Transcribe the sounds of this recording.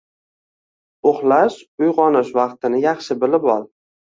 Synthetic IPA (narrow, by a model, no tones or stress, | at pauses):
oχlaʃʊjʁɒnɪʃvɑqt̪ɪnɪjɑχʃɪbɪlɪbɒlˠ